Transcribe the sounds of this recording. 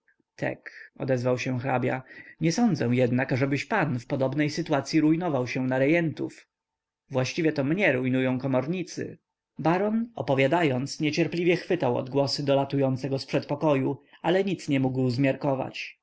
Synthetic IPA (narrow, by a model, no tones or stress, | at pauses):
t̪ʰɛ̰kɔ̰d̪ɛzvawɕɛ̃xɾabʲja̰ɲɛsɔnd̪zɛ̃jɛd̪nakaʐɛbɘɕpanfpɔd̪ɔbnɛjsɘt̪uwat̪sʲjiɾujnɔvawɕɛw̃naɾɛjɛnt̪ṵf | vwaɕt͡ɕivʲjɛt̪ɔmɲɛɾujnujɔ̃w̃kɔmɔɾɲit̪sɘ̰ | baɾɔnɔ̰pɔvʲjad̪ajɔnt̪sɲɛt͡ɕɛɾplʲivʲjɛxfɘt̪awɔ̰d̪ɡwɔsɘd̪ɔlat̪ujɔnt̪sɛɡɔspʂɛt̪pɔkɔjualɛɲit̪sɲɛmuɡwzmʲjaɾkɔva̰t͡ɕ